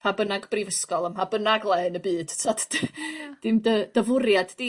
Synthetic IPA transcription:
pʰabənaɡbrivəskɔlˠəmpabənaɡlˠɛɨnəbɨːd̥tʰatʰ | d̥ɪmdəd̥əvʊrjaddi

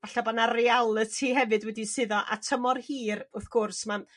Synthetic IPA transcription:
vaɬabanarialˠətʰiɦɛvɨdwɛdisɨðɔʔa̰tʰəmɔrhiːɾʊθɡ̥ʊrsman

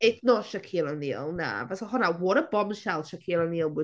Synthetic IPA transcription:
ɛknɔʃakʰilˠəniəlˠna̰vasɔhɔnawɔɾəb̥ɔmʃalˠʃakʰilˠəniəlˠwɪ

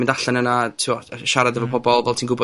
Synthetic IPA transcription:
mɪ̃ndaɬanənatʰɪwɔʃaɾadəvɔpʰɔbɔlˠvɛlˠtʰiːnŋɡʊbɔ

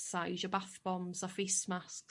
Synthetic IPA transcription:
saɪʒəbaθb̥ɔmzafɪsmast

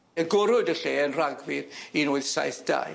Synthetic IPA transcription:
əɡʊɾʊdəɬeːənraɡwɪɾinoːɨðsa̰jθd̥a̰j

